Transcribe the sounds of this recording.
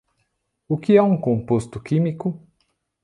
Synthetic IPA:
ʊkɪɛũkõmpost̪ʊkimikʊ

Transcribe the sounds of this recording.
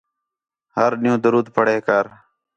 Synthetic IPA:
ɦəɾnɪjũːd̪əɾuːd̪pʰəɽeːkəːɾ

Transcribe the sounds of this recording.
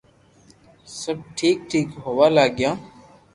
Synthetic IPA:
səb̚ʈʰiːk̚ʈʰiːkɦoːʋaːlaːɡjãː

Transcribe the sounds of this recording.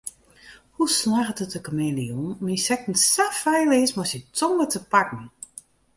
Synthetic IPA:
huslaːɣətətəkəmeːliunminsɛk̚tn̩safɛjlɪːsmɔsjətʰɔŋətʰəpakn̩

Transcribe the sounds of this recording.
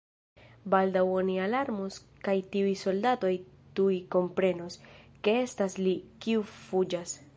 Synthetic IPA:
baldawonialaɾmos | kajtiujso̞ldato̞jtujko̞mpɾe̞noske̞e̞staslikiufud͡ʒas

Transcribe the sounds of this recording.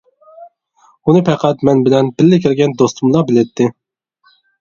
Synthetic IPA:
unɨpʰɛqʰæt̪mɛnbɪlɛnbɪlːɪkʲʰɪɾɡʲɛnd̪ost̪ʰumlˠɑbɪlɛt̪ʰːɪ

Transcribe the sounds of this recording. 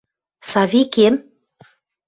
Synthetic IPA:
sɑvikem

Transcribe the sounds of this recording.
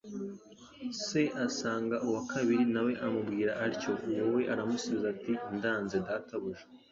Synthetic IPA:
se̞ʔasaːŋɡaʔuwakʰaβiɾinawe̞ʔamubɡiːɾaʔːɾco̞jowe̞ʔaɾamusuβizatindaːnze̞daːtaβuʒe

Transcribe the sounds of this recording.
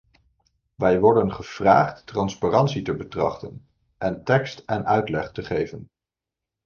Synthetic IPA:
ʋɛjʋɔɹdənχəv̥ra̰ːχtːrɑnsparɑntsitəbətrɑ̰χtən | ʔɛntɛkstɛnœɥtlɛχtəχejvən

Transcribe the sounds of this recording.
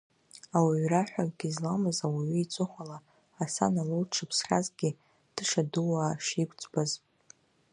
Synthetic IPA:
awiɥraħʷᶣakʼɡ̥ʲizlamɨzawiɥiit͡sʷʼʊχʷalaː | sa̰nalɨlʈ͡ʂʰɨpʰsχʲa̰zɡʲi | d̥ɨʂaduwaːʂikʷʰʼt͡sʷʼbaz

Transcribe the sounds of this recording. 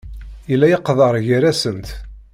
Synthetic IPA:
ilːæjɑqːðˤəɾˤʝiɾæsənt̪

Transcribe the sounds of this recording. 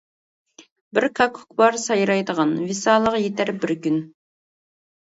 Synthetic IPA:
bɪɾkʰɑkʰu̥kbɑɾsɑjɾɑjd̪əʁɑnvɪsɑːlˠəqjet̪ʰæɾbɪɾkʲyn

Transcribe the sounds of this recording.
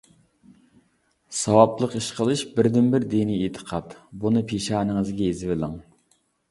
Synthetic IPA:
sɑwɑblˠəqiʃqʰəlˠɨʃbɪɾd̪ɪnbɪɾd̪iniet̪ʰə̥qʰɑt̪bunɨpʰeʃɑːnəŋəzɡʲɛjezɪvɪlɪŋ

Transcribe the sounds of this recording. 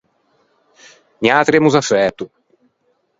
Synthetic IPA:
niat̪ɾemuzafɛt̪u

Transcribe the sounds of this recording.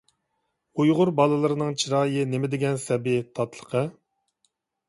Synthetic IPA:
ujʁʊɾbɑlˠɨlˠɨɾɨnɨŋt͡ʃʰiɾɑːjɨnemɪd̪ɪɡʲɛnsɛbɪt̪ʰɑt̪lˠə̥qʰə

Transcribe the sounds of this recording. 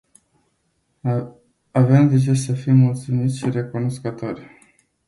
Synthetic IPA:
avemd̪et͡ʃesəfijmult̪sumit̪sʲʃire̞kunoskət̪o̞rʲ

